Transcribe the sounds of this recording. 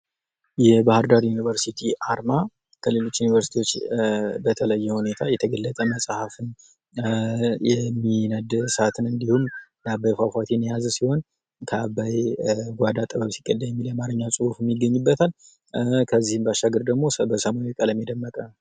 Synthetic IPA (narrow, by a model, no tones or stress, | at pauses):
jɛbahɨɾd̪aɾjunivəɾsit̪ʰiʔaɾma | kʰəle̞lo̞t͡ʃːjunivəɾsi̥t̪ʰiwo̞t͡ʃːbət̪ʰələjːɛhune̞t̪ʰajɛt̪ʰəɡəlːət̪ʼəməsʼhafɨn | jɛmːinəd̪sat̪ʰɨnɨnd̪ihumnabajfafʷat̪ʰenjazsiho̞n | kʰəabajɡʷad̪at̪ʼəβəbsi̥ɡʼəd̪ːajɛmːiljɛmaɾɨɲːasʼuhufmːiɡːəɲːubːət̪ʰal | kʰəzːihɨmbəaʃaɡəɾd̪əɡmo̞səbəsəmajukʼələmjeɛd̪əmːəkʼə